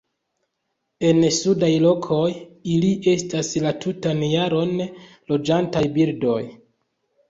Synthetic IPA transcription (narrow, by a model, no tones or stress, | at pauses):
e̞nsudajlo̞kʰo̞jiliʔe̞staslatʰutanjaɾo̞n | lo̞d͡ʒantajbiɾdo̞j